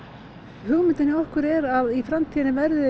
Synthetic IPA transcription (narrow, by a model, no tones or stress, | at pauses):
hʏɣmɪnt̪ɪnːɪɔhkʏɾɛɾaðifɾamt̪ʰiːðɪnɪvɛɾðʏ